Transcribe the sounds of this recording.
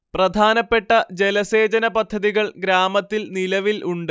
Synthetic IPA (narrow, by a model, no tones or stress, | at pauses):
prɐd̪ʱaːnɐpːe̞ʈːɐd͡ʑe̞lɐse̞ːd͡ʑɐnɐpɐd̪ʱːɐðiɣɐɭɡɾaːmɐt̪ːilnilɐʋilʔuɳɖɨ